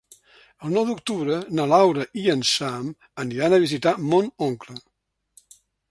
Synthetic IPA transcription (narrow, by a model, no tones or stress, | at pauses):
əlˠnɔwd̪uk̚t̪uβɾənəlawɾəʔiənsam | əniɾanəβ̞izit̪amonoŋklə